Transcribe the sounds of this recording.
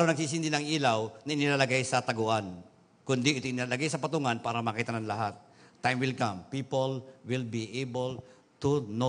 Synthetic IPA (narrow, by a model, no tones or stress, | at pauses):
ɾonɐɡ̚siːs̬ɪnd̪ɪnɐŋʔiːlawnɐʔɪnɪlaːlɐɡajsɐt̪ɐɡʊʔan | kʊnd̪ɪʔɪt̪oʔɪnɪlalɐɡajsɐpɐt̪ʊŋanpaːɾɐmakit̪ɐnɐŋlɐɦat̪̚ː | ajmwɪlkãmpipolwɪlbiʔejbol | t̪uno